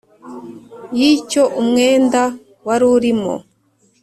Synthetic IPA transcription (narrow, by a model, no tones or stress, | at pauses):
jico̞ʔumŋeːnda | waɾuɾimo̰